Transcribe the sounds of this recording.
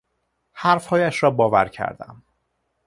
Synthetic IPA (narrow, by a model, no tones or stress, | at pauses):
hæɾfhɒːjæʃɾɒːbɒːvæ̰ɾcʰæ̰ɾd̪æ̰m